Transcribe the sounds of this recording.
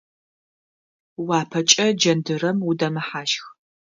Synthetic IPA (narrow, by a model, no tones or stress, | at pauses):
waːpʰɐt͡ʃʼɐd͡ʒɐndɨɾɐmudɐmɨħaːʃx